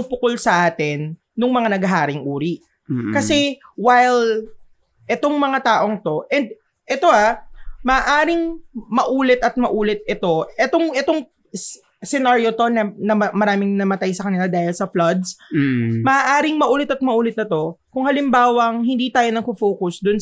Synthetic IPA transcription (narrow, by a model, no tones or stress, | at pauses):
ŋpʊkolsɐʔaːt̪ɪnː | ʊŋmɐŋanɐɡɐɦaːɾɪŋʔuːɾiʔ | kɐsɛwajl | ʔɛt̪o̞ŋmɐŋat̪aːʔo̞ŋt̪o̞ʔɛnd̪̚ | ʔɛt̪o̞ʔamɐʔːʔaːɾɪŋmɐʔuːlɛt̪ɐt̪̚mɐʔuːlɛt̪̚ɪt̪o̞ʔɛt̪o̞ŋʔɛt̪o̞ŋ | sɛnaɾjot̪o̞nɐnɐmɐɾaːmɪŋnɐmɐt̪ajsɐkɐnɪlad̪aːhɪlsɐflɐd̪̚s | mɐʔaʔaːɾɪŋmɐʔuːlɛt̪ɐt̪̚mɐʔuːlɪt̪nɐt̪o̞kʊŋhɐlɪmbaːwɐŋhɪnd̪iːt̪aːjo̞nɐɡ̚kʊfoːkʊsd̪ʊn